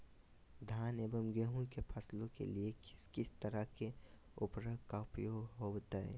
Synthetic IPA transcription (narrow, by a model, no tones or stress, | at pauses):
d̪ʱaːnebəmɡeɦũkepʰəslõkḛliekɪ̥skɪst̪əɾəke | ʊpɾoɡʱkaʊpjoːɡɦobt̪aḛ